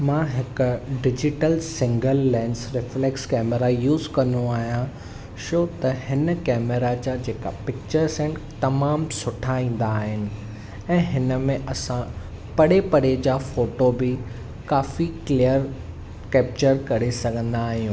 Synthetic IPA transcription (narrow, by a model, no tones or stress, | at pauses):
mãːɦɪkʊɖɪd͡ʑɪʈəlsɪ̃ŋɡəlːɛ̃ːnsɾɪflekskɛːmeɾajuːzkɐ̃nd̪oaːɦijã | ʃoːt̪ɐhɪnəkɛːmeɾad͡ʑad͡ʑeːka̰pɪk̚t͡ɕəɾsɛ̃nt̪ɐmaːmsʊʈʰaĩːn̆d̪aːɦɪnɪ̆ | ɛ̃ːɦɪnəmẽʔɐsã | pɐɽepɐɽed͡ʑaːfoːʈobɪ | kaːfiklijəɾ | kɛːp̚t͡ɕəɾkɐɾesɐɡʱə̃nd̪aːɦijũː